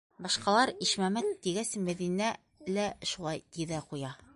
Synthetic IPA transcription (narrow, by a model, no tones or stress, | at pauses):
bɑʃqɑlˠɑɾiʃmæmænt̪iɡæsɘmæðinæ | læʃulˠɑjt̪iðæqujɑ